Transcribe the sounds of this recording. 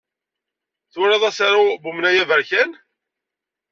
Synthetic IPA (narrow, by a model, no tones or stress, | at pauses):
θʊɾɑðˤæsaɾabumnæjævəɾçæn